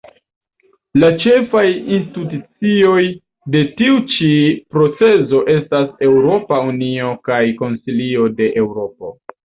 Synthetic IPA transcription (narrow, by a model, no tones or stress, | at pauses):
lat͡ʃe̞fajinstitut͡sio̞j | de̞tiut͡ʃipɾo̞t͡se̞zo̞ʔe̞stase̞wɾo̞paunio̞kajko̞nsilio̞de̞ʔe̞wɾo̞po̰